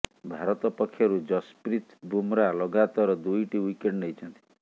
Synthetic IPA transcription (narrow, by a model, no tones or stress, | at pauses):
bʱaɾʌt̪ɔpɔkʰːjʌɾud͡zʌspɾit̪bʱumɾalʌɡat̪ɔɾɔd̪ujʈiwikeɳɖnʌjt͡ʃʰʌnt̪ʰi̥